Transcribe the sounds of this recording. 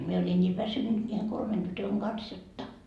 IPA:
mie olʲin nʲiː ʋæsynːyt nʲiːheŋ kolmen tytøŋ ɡ̊ɑns jotːɑ

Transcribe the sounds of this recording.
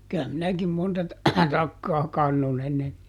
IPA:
kyæ minækim montɑ tɑ tɑkːɑː kɑnːon enːen

